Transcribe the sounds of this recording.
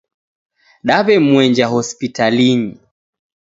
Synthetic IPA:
ɗaβɛmwɛɲd͡ʒaɦɔspitaliɲi

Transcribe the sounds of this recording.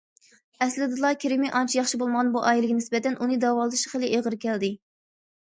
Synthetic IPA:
ɛslɪd̪ɨlˠɑkʲʰiɾɪmɪʔɑnt͡ʃʰijɑχʃibolˠməʁɑnbuʔɑːjilɪɡʲɛnɪsbɛt̪ɛnʔunɨd̪ɑwɑlˠd̪ɨʃχəlˠɪʔeʁəɾkʲɛld̪ɪ

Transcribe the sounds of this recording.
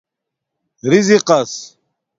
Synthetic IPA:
ɾiziqɐs

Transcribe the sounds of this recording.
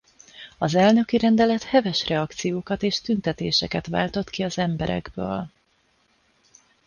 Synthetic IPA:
ɒzɛlnø̞kiɾɛnd̪ɛlɛt̪hɛvɛʃrɛɒkt̪sijoːkɒt̪eːʃt̪ynt̪ɛt̪eːʃɛkɛt̪va̰ːlt̪o̞t̪kiɒzɛmbɛɾɛ̰ɡbø̰ːl

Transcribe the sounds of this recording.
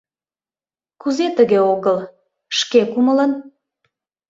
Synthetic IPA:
kuzet̪əɣeoɣəl | ʃkekumələn

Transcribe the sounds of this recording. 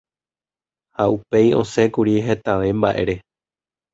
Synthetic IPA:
haʔupe̞jõ̞sẽ̞kuɾiɦe̞t̪aʋe̞mbaʔe̞̰ɾe̞

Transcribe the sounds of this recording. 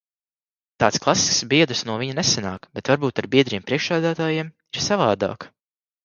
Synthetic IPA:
t̪ɑːt̪sklˠasi̥sksbiɛd̪usnuɔviɲanɛsanaːkbɛt̪vaɾbuːt̪aɾbiɛd̪ɾiɛmpɾiɛkʃæːd̪aːt̪aːjiɛm | iɾsavaːd̪a̰ːk

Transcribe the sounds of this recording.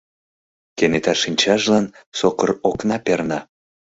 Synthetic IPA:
kenet̪ɑʃinʲt͡ɕɑʒlɑnsokəroknɑpernɑ

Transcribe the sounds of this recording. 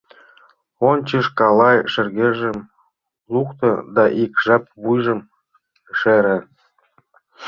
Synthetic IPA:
onʲt͡ɕəʃkɑlɑjʃɘ̆rɣeʒə̆m | lukt̪ɤ̆d̪ɑʔikʒɑp̚βujʒə̆m | ʃeɾĕ

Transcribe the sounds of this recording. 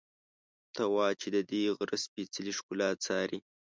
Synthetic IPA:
t̪awɑt͡ʃed̪əd̪eɣɾəspit͡səliʃkulɑːt͡sɑːɾi

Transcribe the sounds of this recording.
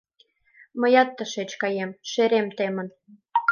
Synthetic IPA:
mə̆jɑt̪ːə̆ʃet͡ɕkɑjemʃeɾemt̪emə̆n

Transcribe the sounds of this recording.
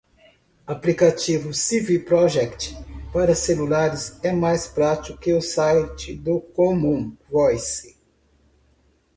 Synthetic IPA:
aplikat͡ʃivʊsivipɾɔʒɛkt͡ʃpaɾɐselulaɾɪsɛmajspɾat͡ʃiʊkɪʊsajt͡ʃɪd̪ʊkomũvɔjsi

